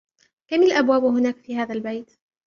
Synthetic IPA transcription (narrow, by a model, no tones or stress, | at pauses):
kamalʔabwaːbɦʊnaːkfiːhaːðalbajt̪